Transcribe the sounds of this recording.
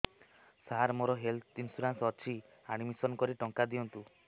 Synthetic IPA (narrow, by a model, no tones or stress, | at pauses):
saɾmoɾɔɦelt̪insuɾansɔt͡ʃʰi | aɽ̃imisɔnkɔɾiʈɔŋkad̪iɔnt̪u